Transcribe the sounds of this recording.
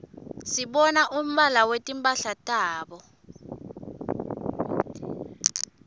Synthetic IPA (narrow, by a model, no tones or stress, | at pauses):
siɓɔnaʔum̩ɓalawetʼimpʼaɬatʼaːɓɔ